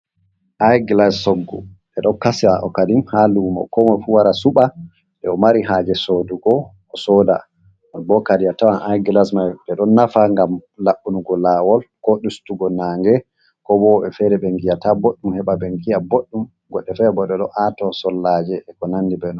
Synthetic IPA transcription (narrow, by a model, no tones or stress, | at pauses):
ʔajɡlasːɔɡːṵ | ɛɗɔnkasiaʔɔkadimhaluma̰kɔmɔfuwaɾasuɓa | ɗɛɔmaɾiɦad͡ʒɛsoduɡɔː | sɔda̰ | bɔkadiatawanʔajɡlasmajɓɛɗɔnːafaŋɡamlaɓunuɡɔlawɔlkɔɗustuɡɔnaːŋɡɛ | kɔbɔɓɛfɛɾɛbɛŋɡijataboɗːumhɛɓabɛŋɡijaboɗːum | ɡɔɗːɛfɛbɔɗɛɗɔʔatɔsɔlːad͡ʒɛːkɔnandibɛnɔ